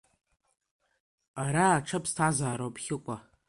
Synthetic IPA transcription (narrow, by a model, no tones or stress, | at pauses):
aɾaːʈ͡ʂʰɐpʰstʰazaːɾowpʰʼχʲɪkʷʼa